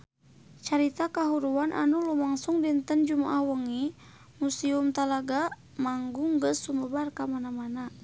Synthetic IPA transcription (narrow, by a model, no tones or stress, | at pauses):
t͡ʃaɾit̪akaɦuɾuanʔa̰nulumaŋsuŋdint̪ənd͡ʒumaʔahwəŋi | musiumt̪alaɡa | maŋɡuŋɡəsuməbarkamanamana